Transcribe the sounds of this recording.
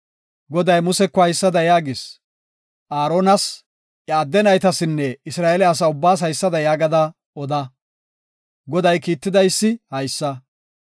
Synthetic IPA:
ɡɔd̪ɐjmʊsɛkːɔhɐjsːɐd̪ɐjaːɡɪs | ʔaːɾoːnɐs | ʔɐːd̪ːɛnɐjt̪ɐsɪnːɛɪsɾaːʔɛlɛɐs̬ɐʊbːaːs̬hɐjsːɐd̪ɐjaːɡɐd̪ɐ | ɔd̪ɐ | ɡɔd̪ɐjkiːt̪ːɪd̪ɐjsːɪhɐjsːɐ

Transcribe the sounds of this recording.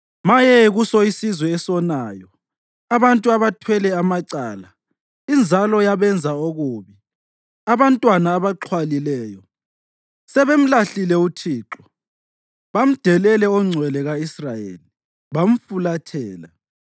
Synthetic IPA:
majɛɣusɔisizwɛːsɔnaːjɔ | aβantʼuaβatʰwɛlɛamaǀaːla | ind͡zʱalɔjaβɛnd͡zʱaoɣuːβi | aβantʼwanaːβaǁʰwalilɛːjɔ | sɛβem̩laɬilɛutʰiːǁɔ | βam̩d̥ʱɛlɛlɛɔŋ͡ǀʱwɛlɛɣaisrajḛːli | βam̩fulatʰɛːla̰

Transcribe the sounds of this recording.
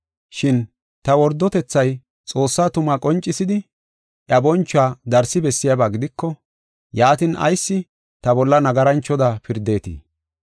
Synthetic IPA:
ʃɪn | t̪ɐwɔɾd̪ːɔt̪ɛt͡sːɐj | t͡sʼo̞ːsːaːt̪ʊmakʼɔnt͡ʃʼːɪsɪd̪ɪ | ʔjɐbɔnt͡ʃːʊaːd̪ɐɾsɪbɛsːɪjabaːɡɪd̪ɪkːɔ | jaːt̪ɪnʔɐ̰jsːɪ | t̪ɐbɔlːɐnɐɡɐɾɐnt͡ʃːɔd̪ɐpɪɾd̪e̞ːt̪ḭː

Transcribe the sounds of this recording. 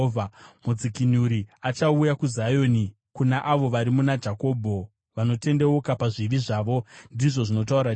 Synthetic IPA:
vamud͡zikinuɾiat͡ʃaujakuzajo̞ːni | kunaʔaʋo̞ʋaɾimunad͡ʒako̞ːbʱo̞ | ʋano̞te̞nde̞ukapaʐiʋiʐaːʋo̞ndiʐo̞ʐino̞tauɾa

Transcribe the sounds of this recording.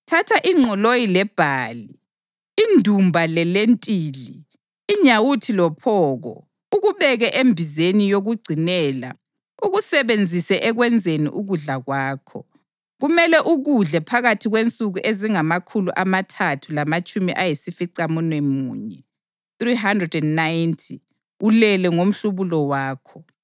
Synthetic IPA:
tʰatʰaʔiŋ͡ǁʱɔlojilɛb̥ʱaːliː | ndʱumbʱalɛlentʼiːliː | ɲawutʰilɔpʰɔːɣɔ̰ | uɣuβɛɣɛʔembʱizenijoɣuɡ͡ǀʱinɛːla̰ | uɣusɛβend͡zʱisɛʔɛɣwɛnd͡zʱenḭʔuɣuɮaɣwaːkʰɔ | ɣumɛlɛʔuɣuɮɛpʰaɣatʰiɣwent͡sʼuɣuʔeziŋamakʰuluʔamatʰatʰulamat͡ʃʼumiʔajesifiǀamunwɛmṵːɲɛ | θriɦandrɛdɛnnajntʰi | ulɛlɛŋom̩ɬuβulɔwaːkʰɔ

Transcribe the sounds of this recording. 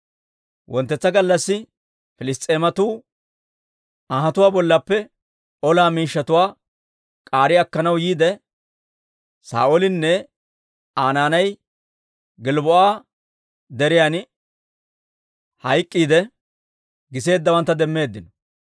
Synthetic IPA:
wʔɔnt̪ːɛt͡sːɐɡɐlːɐsːɪ | fɪlɪst̪ʼe̞ːmɐt̪uː | aɦɐt̪ʊwaːbɔlːɐpːɛ | ɔlaːmiːʃːɐt̪ʊwaː | kʼaːɾɪɐkːɐnɐwjiːd̪ɛ | sa̰ːʔolɪnːɛ | aːnaːnɐj | ɡɪlbɔʔaː | d̪ɛɾɪjan | hɐjkʼːiːd̪ɛ | ɡɪse̞ːd̪ːɐwɐnt̪ːɐd̪ɛmːe̞ːd̪ːɪnɔ

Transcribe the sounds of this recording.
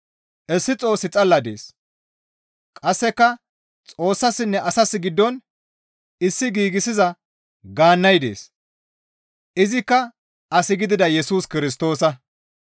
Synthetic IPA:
ʔɛsːɪt͡sʼo̞ːsɪt͡sʼɐlːɐd̪ḛːs | kʼɐsːɛkːɐ | t͡sʼo̞ːsːɐsːɪnːɛʔɐsɐsːɪɡɪd̪ːɔn | ɪsːɪɡiːɡɪsɪzɐ | ɡaːnːɐjd̪e̞̰ːs | ɪzɪkːɐ | ʔɐsɪɡɪd̪ɪd̪ɐjɛsuːskɪɾɪs̬t̪o̞ːsɐ

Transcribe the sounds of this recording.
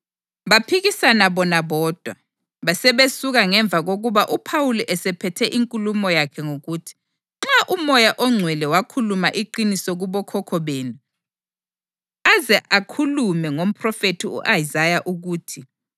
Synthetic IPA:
βapʰiɣisanaβɔnaβɔːd̥ʱwa | βasɛβesuɣaŋɛɱb̪vʱaɣoɣuβaʔupʰawuliʔɛsɛpʰɛtʰɛʔiŋkʼulumɔjakʰɛŋoɣutʰi̥ | ŋ͡ǁaʔumɔjaʔɔŋ͡ǀʱwɛlɛwakʰulumaʔiǃinisɔɣuβɔkʰɔkʰɔβeːnu | azɛʔakʰulumɛŋom̩pʰrɔfetʰiṵʔajizajaʔuɣuːtʰi

